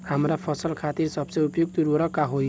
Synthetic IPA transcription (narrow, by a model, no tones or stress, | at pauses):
hamɾapʰʌsʌlkʰat̪iɾsʌbsʌupjoɡ̚t̪uɾʌɾʌkaɦoj